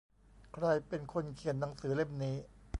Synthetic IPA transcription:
kʰɾa˧jpe˧nkʰo˧nkʰi˨˩ənːa˩˦ŋsɯː˩˦le˥˩mniː˦˥

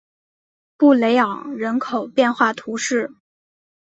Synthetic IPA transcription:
pu˥˩le˧˥ɪɑ˨˩˦ŋɻə˧˥nkʰo˨˩ʊpjɛ˥˧nxwa˥˩t̪ʰu˧˥ʂɻ̩˥˩

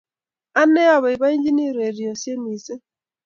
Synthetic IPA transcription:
a˦nɛ˦ɔ˦˨βɔ˨i˨βa˦i˦ɲd͡ʒi˦ni˦˨ɾe˨ɾi˨ɔ˨sje˦ni˨sɪ˦

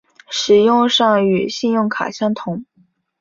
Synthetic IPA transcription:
ʂɻ̩˨˩jʊ˥˧ŋʂɑ˥˧ŋy˨˩ɕi˥˧njʊ˥˩ŋkʰa̰˨˩ɕjɑ˥ŋt̪ʰʊ˧˥ŋ

